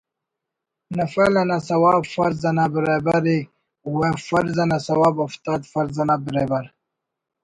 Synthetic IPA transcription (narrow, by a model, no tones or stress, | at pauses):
nafalanasɐwaːbfaɾzɐnabɪɾabaɾi | wẽfaɾzanasɐwaːbaft̪ad̪fɐɾzɐnabɾebaɾ